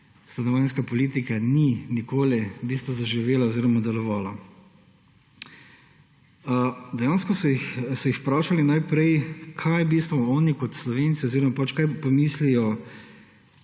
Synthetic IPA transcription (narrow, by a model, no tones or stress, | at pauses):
st̪anɔʋajnskapɔliːt̪ikaninikoːlɛbiːst̪ʋɔzaʒiʋeːlaoziːɾɔmad̪ɛlɔʋaːla | d̪ɛjanskɔsɔjixsɔjixpɾaːʃalinajpɾɛjkʰajbist̪ʋɔɔːnikɔt̪slɔʋeːnt̪siɔziɾɔmapat͡ʃkajpɔmiːslijɔ